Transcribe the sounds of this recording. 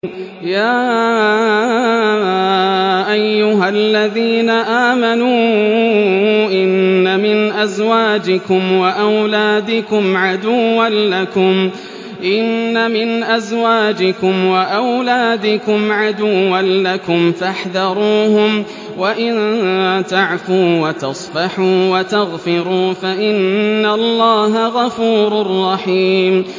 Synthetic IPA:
jaː | ʔajːʊɦalːaðiːnaʔaːmanuː | ʔɪnːamɪnʔazwaːd͡ʒɪkʊmwaʔawlaːd̪ɪkʊmʕad̪ʊːanlakʊm | ʔɪnːamɪnʔazwaːd͡ʒɪkʊmwaʔawlaːd̪ɪkʊmʕad̪ʊwːanlakʊmfaħðɑɾˤuːhʊm | waʔɪnt̪aʕfuːwat̪ɑsˤbɑħuːwat̪aɣfɪɾuːfaʔɪnːalːaːɦaɣɑfuːɾʊrˤːɑħiːm

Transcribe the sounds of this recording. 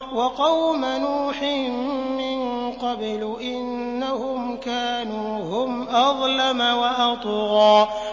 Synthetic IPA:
wɑqɑwmanuːħɪmɪnqɑblʔɪnːahʊmkaːnuːɦʊmʔɑðˤlamawaʔɑt̪ˤɣɑː

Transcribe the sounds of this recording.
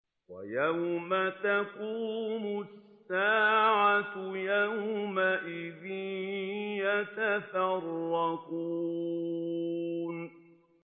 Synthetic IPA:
wa̰jawmat̪akuːmʊssːaːʕatjawmaʔɪðɪ | jat̪afɑrˤːɑkuː | n

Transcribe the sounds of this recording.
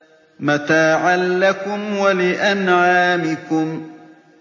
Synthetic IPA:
mat̪aːʕalːakʊmwalɪʔanʕaːmɪkʊm

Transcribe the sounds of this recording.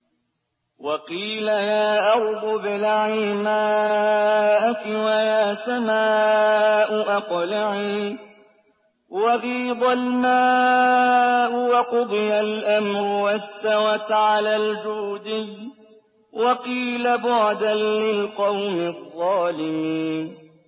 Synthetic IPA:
wɑqiːlajaːʔɑɾd̪ˤʊbɪlaʕiːmaː | ʔakɪwajaːsamaːʔʊʔaqlaʕiː | wɑɣiːd̪ˤalmaː | ʔʊwɑqʊd̪ˤɨjalʔamɾʊwast̪awat̪ʕalaːld͡ʒuːd̪ɪj | wɑqiːlabʊʕd̪anlɪlqɑwmɪðˤːɑːlɪmiːn

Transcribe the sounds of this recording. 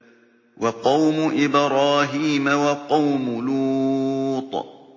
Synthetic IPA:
wʔɑqɑwmʊʔɪbɾɑːɦiːmawɑqɑwmʊluːt̪ˤ

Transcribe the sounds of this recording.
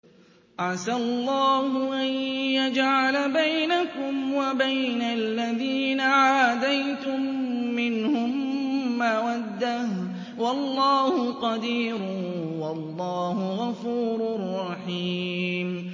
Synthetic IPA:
ʔaʕsalˤːɑːhʊʔanjad͡ʒʕalabajnakʊmwabajnalːaðiːnaʕaːd̪ajt̪ʊmːɪnhʊmːawad̪ːah | wɑlˤːɑːhʊqɑd̪iːɾwɑlˤːɑːhʊɣɑfuːɾʊrˤːɑħiːm

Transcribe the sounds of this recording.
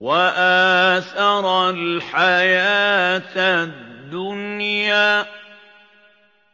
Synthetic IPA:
waʔaːθɑɾˤɑlħajaːt̪add̪ːʊnjaː

